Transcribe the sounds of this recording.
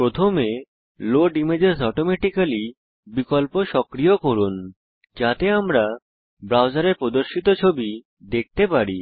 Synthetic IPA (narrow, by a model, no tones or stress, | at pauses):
pɾot̪ʰome | loɖimed͡ʑesɔʈomeʈikali | bikolpoʃɔkɾijokoɾun | d͡ʑat̪eamɾa | bɾawd͡ʑaɾeɾpɾod̪oɾʃit̪ot͡ɕʰobi | d̪ek̚t̪epaɾi